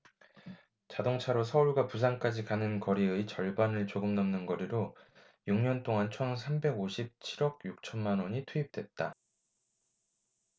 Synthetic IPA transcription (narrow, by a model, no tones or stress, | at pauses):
t͡ɕadoŋt͡ɕʰaɾos̬ʰʌuɭɡapus̬ʰaŋk͈ad͡ʑikanɯnkʌɾiɯit͡ɕʌɭbanɯɭt͡ɕoɡɯmnʌmnɯnɡʌɾiɾo | juŋɲʌnt͈oŋant͡ɕʰʌnsʰambe̞ɡoɕʰip̚t͡ɕʰiɾʌɡ̚juk̚t͡ɕʰʌnmanwʌɲitʰuip̚t͈we̞t̚t͈a